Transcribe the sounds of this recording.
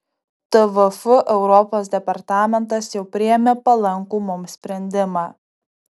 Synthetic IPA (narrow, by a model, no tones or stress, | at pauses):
t̪ɨʋʊfʊʔɛʊɾɔpoːsd̪ʲɛpɐɾt̪ɑːmʲɛnt̪̬ɐsjɛʊpʲɾʲɪjɛmʲeːpɐlˠɐŋˑkuːmʊmsʲpʲɾʲɛnʲd̪ʲɪmɑː